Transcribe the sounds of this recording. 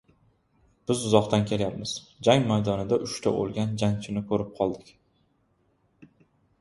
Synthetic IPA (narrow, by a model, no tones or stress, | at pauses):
b̥ɪzʊzɒqt̪ʰankʲʰe̞ljapmɪz̥d͡ʒaŋmajd̪ɒnɪd̪aʔʊʃt̪ʰao̰lˠɡʲand͡ʒant͡ʃʰɪnɪkʰɵɾɪp̚qʰɒlˠd̪ɪkʲ